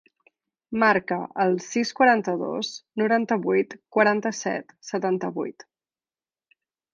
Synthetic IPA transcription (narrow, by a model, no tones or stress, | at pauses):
maɾkəʔəlˠsiskwəɾant̪əðo̰snuɾant̪əβujt̪kwəɾant̪əsɛ̰t̪sət̪ant̪əβṵjt̪